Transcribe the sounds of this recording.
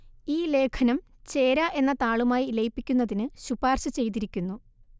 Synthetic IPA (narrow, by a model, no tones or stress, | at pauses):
iːle̞ːkʰɐnɐm | t͡ɕe̞ːɾɐʔe̞nːɐt̪aːɭumaːjilɐjipːikʲːunːɐðinɨɕubaːrɕɨt͡ɕe̞jt̪̬iɾikʲːunːu